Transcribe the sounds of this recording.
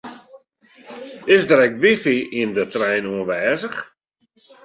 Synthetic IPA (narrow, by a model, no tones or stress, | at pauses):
ɪsdəɾɛk̚ʋifiindətrɛjnuənʋɛːzəx